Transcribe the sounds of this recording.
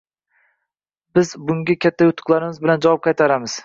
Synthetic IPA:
bɪzbʊŋɡʲakʲʰat̪ʰːajʊt̪ʰːʊ̥qlˠaɾɪmɪzbɪland͡ʒawɒp̚qʰɑjt̪ʰaɾamɪz̥

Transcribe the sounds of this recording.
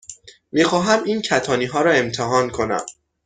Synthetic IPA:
miːxɒːɦæmiːncʰæt̪ʰɒːniːɦɒːɾɒːe̞mt̪ʰeɦɒːnkʰo̞næ̰m

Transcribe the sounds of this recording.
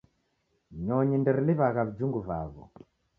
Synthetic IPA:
ɲɔɲindiɾiliβaɣaβid͡ʒuŋɡuvaːβɔ̰

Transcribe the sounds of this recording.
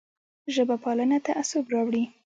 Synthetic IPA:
ʒəbapɑlənat̪aʔasobɾɑwɽi

